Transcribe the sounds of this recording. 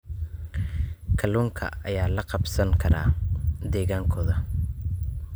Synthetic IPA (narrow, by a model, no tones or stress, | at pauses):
kʰɐlɔːŋkʰɐ̰ɐjaːlɐqɑbsɐŋkʰɐɾa̰ːd̪ɛːɣaːŋkʰɔːðɐ